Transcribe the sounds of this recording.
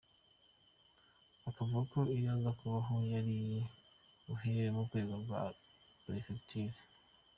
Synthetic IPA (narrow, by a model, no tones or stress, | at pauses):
akavuɡako̞ijaːzakuβaɦo̞jaɾi | uɦeɾemukweːzaɡwa̰ | pɾesfekitive